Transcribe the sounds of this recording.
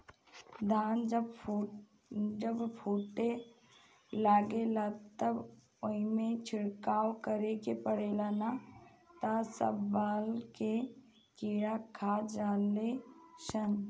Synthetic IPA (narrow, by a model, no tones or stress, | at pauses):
d̪ʱaːnd͡ʒəb | d͡ʒəbpʰuːʈe | laːɡelat̪əb | oimẽt͡ʃʰɪɽkaːwkəɾekepəɽelaːna | t̪asə̰bːaːlke | kiːɾakʰad͡ʒaːleʃən